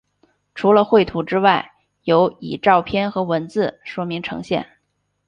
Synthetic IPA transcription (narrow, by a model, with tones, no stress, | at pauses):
ʈ͡ʂʰu˧˥lə˧xwe˥˩ɪt̪ʰu˧˥ʈ͡ʂɻ̩˥wa˥˩ɪ | jo˧˥ʊḭ˨˩ʈ͡ʂɑ˥˧ʊpʰjɛ˥˧nxɤ˧˥wə˧˥nt͡sɹ̩˥˩ʂwɔ˥mi˧˥ŋʈ͡ʂʰɤ̰˧˥ŋɕjɛ̰˥˩n